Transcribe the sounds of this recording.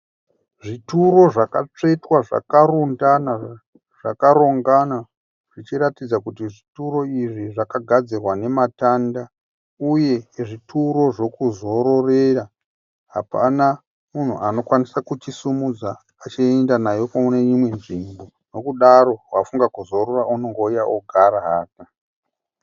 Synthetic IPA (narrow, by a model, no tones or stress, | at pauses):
ʐituɾo̞ʐakat͡ʂe̞twaʐa̰karundana | ʐ̥akaɾo̞ŋɡana | ʐ̥it͡ʃiɾatid͡zakutiʐituro̞iʐiʐakaɡʱad͡zirwane̞matanda | uje̞ʐitʰuɾo̞ʐo̞kuzo̞ɾo̞re̞ra | ɦa̰pa̰na | mun̤uʔano̞kwanisakut͡ʃisumud͡zaː | t͡ʃiendanajo̞kauneɲimwe̞nʐimbo̞ | no̞kuɗaɾo̞wafuŋɡakuzo̞ɾorauno̞ŋɡo̞ujaʔoɡʱaɾaɦa̰ːta